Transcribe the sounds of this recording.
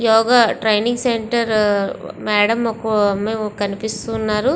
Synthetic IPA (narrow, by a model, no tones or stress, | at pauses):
jɔːɡaːʈɾɐjniŋɡseɳʈɐɾmɛːɽɐmɔkɐɐmːekɐnipist̪uːnːaːɾu